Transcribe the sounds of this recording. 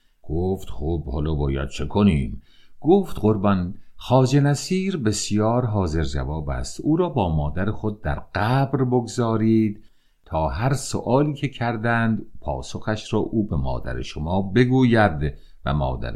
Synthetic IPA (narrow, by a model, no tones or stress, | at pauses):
ɡ̥oːft̪χoːbhɒ̰ːlɒːbɒːjæ̰d̪̥̚t͡ʃʰe̞kʰoniːmɡ̥oːft̪ɢoɾbɒnxɒːd͡ʒenæsiːɾbe̞sijɒːɾɦɒːze̞ɾd͡ʒæ̰vɒːbæ̰st̪ʔuːɾɒːbɒːmɒːd̪æɾexod̪̚ːæ̰ɾɢ̥æːbɾboɡozɒːɾiːd̪̥̚ | t̪ʰɒːɦæɾso̰ʔɒːliːcʰe̞cʰæɾd̪ænd̪pʰɒ̰ːso̞xæʃɾɒːʔuːbe̞mɒ̰ːd̪æ̰ɾḛʃomɒːbe̞ɡuːjæɾd̪ | væ̰mɒ̰ːd̪æ̰ɾ